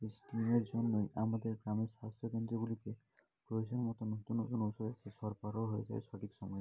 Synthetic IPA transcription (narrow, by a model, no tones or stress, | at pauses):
esʈimeɾd͡ʒɔnːojamad̪eɾɡɾameɾsast̪ʰjɔkend̪ɾibulike | pɾojzɔnmɔt̪ɔnɔt̪unːot̪unowsɔd̪ekesɔɾpaɾɔɦojḛsa̰jsɔʈʰiksɔmɔj